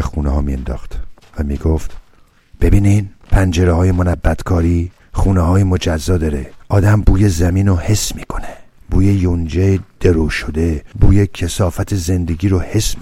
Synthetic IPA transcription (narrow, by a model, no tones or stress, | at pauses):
exuːnehɒːmiḛnd̪ɒ̰ːxt̪ | væmiːɡoft̪ | b̥e̞biːnid̪pʰænd͡ʒeɾehɒːjemonæbːæt̪kʰɒːɾiː | xuːnehɒːjemod͡ʒæzːɒːd̪ɒɾeʔɒːd̪æmbuːjezæmiːnohe̞smiːkʰo̞neb̥uːjejond͡ʒed̪̥eɾoʃod̪e̞buːjecʰesɒːfæt̪ʰeze̞nd̪eɡiːɾohes